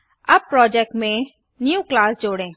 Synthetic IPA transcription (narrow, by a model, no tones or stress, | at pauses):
ɐb̚pɾɔːd͡ʒɛk̚ʈmẽ | njũːklaːsd͡ʒoːɽẽː